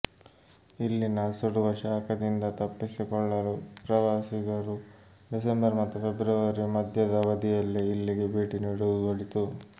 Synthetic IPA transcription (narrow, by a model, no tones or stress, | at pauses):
ilːinɐsoɽuʋɐɾʂaːkɐd̪ind̪ɐt̪ɐpːisikɔɭːɐlupɾɐʋaːsiɡɐɾu | ɖisembɐɾmɐt̪ːupʰe̞bɾɐʋɐɾimɐd̪ʱjɐd̪ɐʋɐd̪ijɐlːiːlːiɡebeːʈinuiɽuduɡoɭit̪u